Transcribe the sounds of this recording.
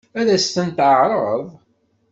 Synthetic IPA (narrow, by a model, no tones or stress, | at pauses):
æɾæst̪ənt̪ʕəʕɾˤəðˤ